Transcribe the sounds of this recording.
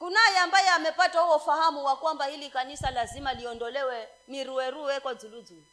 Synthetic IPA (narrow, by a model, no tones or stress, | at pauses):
kunajɛambajɛamɛpatahuwɔufahamuwakwambahilikanisalazimaliɔndɔlɛwɛ | miɾuɛɾuɛkad͡zulud͡zulu